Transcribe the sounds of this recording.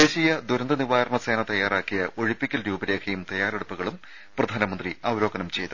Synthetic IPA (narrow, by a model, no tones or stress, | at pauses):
d̪eːɕijɐd̪uɾɐnd̪ɐniʋaːjɐɾrɐɳɐse̞ːnɐt̪ɐjːaːraːkːijɐʔo̞ɻipːikʲːɐlɾuːbɐɾe̞ːkʰɐjumt̪ɐjaːreɽupːuɣɐɭum | prɐd̪ʱaːnɐmɐnd̪riɐwɾo̞ːɡɐnɐmt͡ɕe̞jt̪u